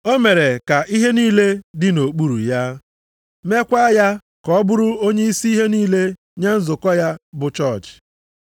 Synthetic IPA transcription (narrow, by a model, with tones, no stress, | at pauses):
o˦me˨ɾe˨ka˨ʔi˦ɦe˦niː˦le˦dɪ˦no˨k͡pu˦ɾṵ˨ja˦ | me˦kʷa˦ja˦ | kɔ˦ɔ˦bʊ˦ɾʊ˦o˦ɲe˦i˦si˦i˦ɦe˦niː˦le˦ | ɲa˦n̩˦zʊ˨kɔ˦ja˦bʊ˨t͡ʃɔ˦˨t͡ʃ